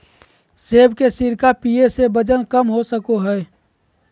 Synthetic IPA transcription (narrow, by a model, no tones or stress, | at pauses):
seːbkesiɾkapiesebəd͡ʒənkəmɦosəkoɦɛː